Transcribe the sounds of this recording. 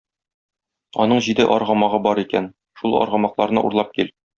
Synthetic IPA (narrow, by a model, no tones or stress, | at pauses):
ɒ̰nɤɴʑid̪ɘʔɒɾʁɑmɑʁɤbɒɾikæn | ʃulˠɒ̰ɾʁɑmɑqlˠɑɾnɤ̰ʔṵɾlˠɑp̚kil